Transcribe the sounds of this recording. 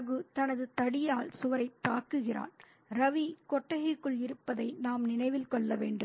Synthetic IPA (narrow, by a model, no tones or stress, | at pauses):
ɣɯt̪ɐnɐðɯt̪ɐɽɪjaːlsʊʋɐɾɐɪt̪ːaːkɯɣɪra̰ːn | ɾɐʋikɔʈːɐɣɪkːɯɭɪɾɯpːɐðɐɪnaːmnɪnɐɪʋɪlkɔɭːɐʋeːɳɖɯm